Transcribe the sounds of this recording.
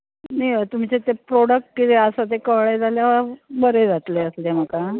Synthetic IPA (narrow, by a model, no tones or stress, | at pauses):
najʋət̪um̤t͡ɕet̪epɾoɽək̚ʈ̚kit̪eəsət̪̬ekəʋɭed͡zʱaljaʋəɾbəɾed͡zat̪leəslem̤əka